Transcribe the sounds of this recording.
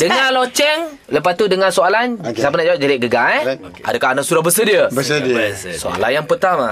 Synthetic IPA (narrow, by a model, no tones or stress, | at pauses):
dəŋalot͡ʃɛŋ | ləp̬at̪udəŋasoalansap̬ənaʔd͡ʒawap̚d͡ʒaɾiʔɡəɡa | ʔa̰dəkaɦnaʔsuɾahbəsədiəbəsəsoa̰la̰njaŋpərt̪ama